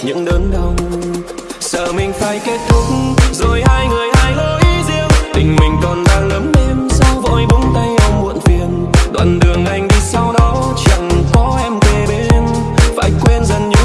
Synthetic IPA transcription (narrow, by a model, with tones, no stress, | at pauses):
ɲɨ̰˧˥ŋɗəː˨˦nɗə˧wŋ͡m | sə̰ː˧˩mï˨˩ŋ̟faː˧˩jke˦˥t̚t̪ʰʊ˨˦˥k̚ŋzo˨˩jhaː˧jŋɨ˨˩əjhaː˧jlo˧ʔi˨˦zi˧əwt̪ï˨˩ŋ̟mï˨˩ŋ̟kɔ˨˩nɗa̰ː˧˥ləː˨˦mʔe˧msaː˧wvo̰˧˨jɗʊ˨˦ŋ͡mt̪a˧jʔɔ˧wŋ͡mmṵ˧˨ənfi˨˩ən | ɗwa̰ː˧˨nɗɨ˨˩əŋʔa˨˩jŋ̟ɗi˧sa˧wɗɔ˨˦ | t͡ɕə̰˧˨ŋkɔ˨˦ʔɛ˧mt̪e˨˩ɓe˧˦m | va̰ː˧˥jkwɛ˧nzə˨˩nɲɨ˧˦˥